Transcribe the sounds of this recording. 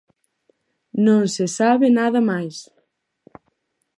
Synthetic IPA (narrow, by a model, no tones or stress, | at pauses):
nõŋsesaβɪnaðɐmajs